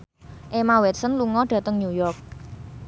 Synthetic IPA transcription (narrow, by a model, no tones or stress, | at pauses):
ʔemawɛt̪̚sənluŋɔɖ̥ä̤t̪əŋɲujɔrk̚